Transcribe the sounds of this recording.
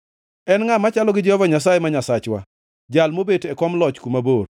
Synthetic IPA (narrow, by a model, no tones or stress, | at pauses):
ɛnŋamat͡ʃalɔɡɪd͡ʒɔvaɲas̬ajemaɲasat͡ʃwa̰ | d͡ʒalmobetɛkɔmlɔt͡ʃkumabor